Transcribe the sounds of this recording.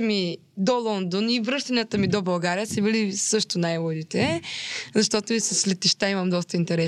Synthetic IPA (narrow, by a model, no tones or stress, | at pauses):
mi | d̪ɔlˠɔnd̪onivɾɤʃt̪ɐnʲat̪əmid̪obɐlˠɡaɾijəsɛbilisɤʃt̪ʊnajvˠod̪it̪ɛzɐʃt̪ɔt̪ʊisɐslɛt̪iʃt̪aiməmd̪ɔst̪əint̪ɛɾɛ